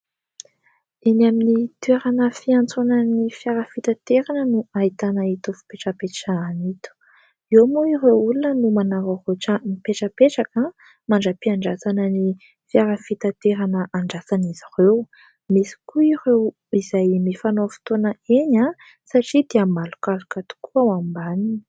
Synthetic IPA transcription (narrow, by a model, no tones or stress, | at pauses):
enaminit̪weɾanəfiant͡sonənifjaɾəfit̪at̪eɾanənuait̪anəit̪ufu̥peʈ͡ʂəpeʈ͡ʂaːnit̪u̥ | ewmoiɾewulunənumanaɾaroʈ͡ʂəmipeʈ͡ʂəpeʈ͡ʂaka | maɳɖ͡ʐəpiaɳɖ͡ʐasanəni | fjaɾafit̪at̪eɾanəʔaɳɖ͡ʐasanizirew | misi̥kuirew | izajmifanofi̥t̪onəeɲa | saʈ͡ʂid̪iamalu̥kalukat̪u̥kuawambanini̥